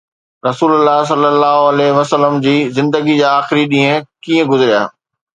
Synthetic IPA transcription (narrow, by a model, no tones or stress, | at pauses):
ɾɐsuːləlːaːɦs̬ɐlːəlːaːɦoɐlɛɦʋɐsələmd͡ʑiːzɪ̃nd̪əɡid͡ʑaːaːxɪɾiɗĩːə̃kiːə̃ɡʊzɪɾija̰ː